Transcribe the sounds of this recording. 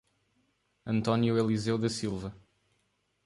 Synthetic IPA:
ɐ̃nt̪ɔnjuelˠizewðɐsilˠvɐ

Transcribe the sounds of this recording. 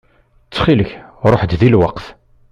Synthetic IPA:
t͡sːχiləçɾˤoħd̪ðilwɑqθ

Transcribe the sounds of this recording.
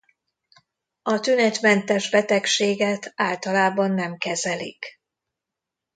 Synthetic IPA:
ɒt̪ynɛt̪mɛnt̪ɛʒbɛt̪ɛkʃeːɡɛt̪aːlt̪ɒlaːbɒnːɛmkɛzɛlḭk

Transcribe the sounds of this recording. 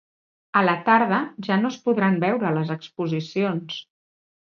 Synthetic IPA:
ələt̪aɾð̞əʒanospuðɾambɛwɾələzəkspuzisions

